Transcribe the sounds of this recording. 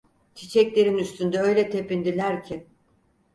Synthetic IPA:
t͡ʃ̪ʰit͡ʃʰɛclʲe̞ɾinyst̪ʰynd̪ɛø̞jlʲɛt̪ʰe̞pind̪ilʲæɾcʰin

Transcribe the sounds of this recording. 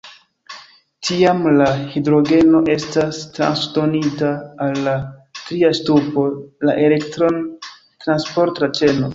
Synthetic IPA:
tʰiamlahidɾo̞ɡe̞no̞ʔe̞stastɾa̰nsdo̞nitaːlːatɾiastupo̞la̰ʔe̞le̞ktɾon | tɾanspo̞ɾtat͡ʃe̞no̞

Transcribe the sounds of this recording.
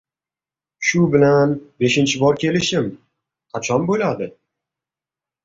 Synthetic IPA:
ʃʊbɪlanbe̞ʃɪnt͡ʃʰɪbɒɾkʲʰe̞lɪʃɪm | qʰɑt͡ʃʰɒnbolad̪ɪ

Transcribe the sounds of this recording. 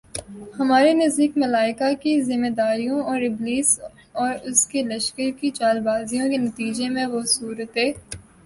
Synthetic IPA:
hɐmaːɾenɐzd̪iːkmɐlaːɪkakizɪmːed̪aːɾijõɔːɾɪbliːs | ɔːɾʊskelɐʃkəɾkit͡ʃaːlbaːzijõkenɐt̪iːd͡ʒemẽʋosuːɾət̪ɦeː

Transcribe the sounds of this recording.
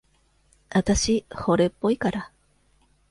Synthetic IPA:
at̪aɕiho̞ɾe̞pːoikaɾa

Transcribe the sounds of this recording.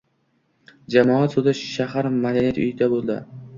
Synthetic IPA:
d͡ʒamɒat̪sʊd̪aʃahaɾmad̪anijat̪ʊ̰jɪd̪abolˠd̪ɪ̰

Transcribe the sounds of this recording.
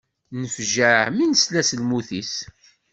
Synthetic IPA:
nəfʒəʕminəslæsəlmuθis

